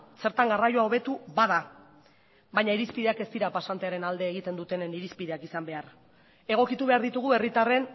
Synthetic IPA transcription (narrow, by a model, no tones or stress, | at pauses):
se̞ɾt̪aŋɡarajoao̞β̞e̞t̪uβaða | βajɲaiɾispiðe̞ake̞st̪iɾapasant̪eaɾe̞nald̪e̞ːɣ̞it̪e̞nd̪ut̪e̞neniɾispið̞eakisambe̞ar | e̞ɣ̞o̞kit̪uβe̞aɾðit̪uɣ̞ue̞rit̪are̞n